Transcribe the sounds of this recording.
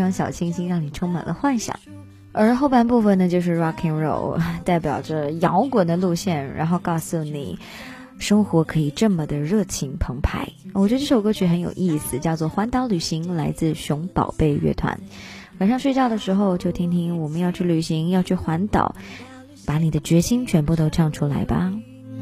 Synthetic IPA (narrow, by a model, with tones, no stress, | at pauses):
ɑ˥ŋɕjɑ˨˩ʊt͡ɕʰi˥ŋt͡ɕʰi˧˥ŋɻɑ˥˩ŋni˨˩ʈ͡ʂʰʊ˥ŋma̰˨˩nlə̰˦xwa˥˩nɕjɑ̰˨˩˦ŋ | ə˞˧˥xo˥˧ʊpa˥˩np̬u˥˩fə˩nnə˩t͡ɕjo˥˧ʊʂ̬ɻ̩˥˩ɻɑ˥kʰi˥ŋɻo̰˥˧˩ʊt̪a˥˩ɪpjɑ˨˩ʊʈ͡ʂə˦jɑ˧˥ʊkwə˨˩nd̪ə˦lu˥˧ɕjɛ˥˩nɻa̰˧˥nxo˥˧ʊkɑ˥˧ʊsu˨˩nḭ˨˩ | ʂɤ˥ŋxwɔ˧˥kʰɤ˧˥i˨˩ʈ͡ʂɤ˥˩mə˩d̪ə˩ɻɤ˥˩t͡ɕʰi˧˥ŋpʰɤ˧˥ŋpʰa˧˥ɪwɔ˨˩t͡ɕɥə˧ʈ͡ʂʂo˨˩ʊkɤ˥t͡ɕʰy˧˥xə˧˥njo̰˨˩ʊʔi˥˩sɹ̩˨˩t͡ɕjɑ˥˧ʊt͡swɔ˥˩xwa˧˥nt̪ɑ˧˥ʊly˨˩ɕi˧˥ŋla˧˥ɪt͡sɹ̩˥˩ɕʊ˧˥ŋpɑ̰˨˩ʊpe˥˧ɪɥɛ̰˥˩t̪ʰwa̰˧˥n | wa˨˩nʂɑ˥˧ŋʂwe˥˧ɪt͡ɕjɑ˥˩ʊd̪ə˩ʂɻ̩˧˥xo˥˧ʊt͡ɕjo˥˧ʊt̪ʰi˥ŋt̪ʰi˥ŋwɔ˨˩mə˦njɑ˥˧ʊt͡ɕʰy˥˩ly˨˩ɕi˧˥ŋjɑ˥˧ʊt͡ɕʰy˥˩xwa˧˥nt̪ɑ̰˨˩˦ʊ | pa˧˥ni˨˩d̪ə˦t͡ɕɥɛ˧˥ɕi˥ŋt͡ɕʰɥɛ˧˥npu˥˩t̪o˥ʊʈ͡ʂʰɑ˥˩ŋʈ͡ʂʰu˥la̰˧˥ɪbɐ̰˨